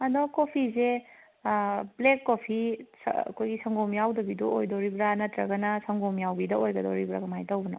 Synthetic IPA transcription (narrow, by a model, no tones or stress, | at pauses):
ɐdɔkopʰize | blekːopʰisɐ̰kʰojɡisɐŋɡomjawdɐbiduʔojdoɾibɾanɐtɾɐɡɐnɐsɐŋɡomjawbidɐojɡɐdoɾibɾa̰ɡɐmajtɐwbɐnɔ̰